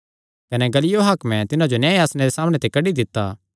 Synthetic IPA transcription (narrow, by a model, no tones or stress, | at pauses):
kɐnɛɡɐlɪjoɦaːkmɛ̃t̪ɪnãd͡ʒonãːaːsñeɾesaːmɽ̃ẽt̪ekɐɖid̪ɪt̪ːa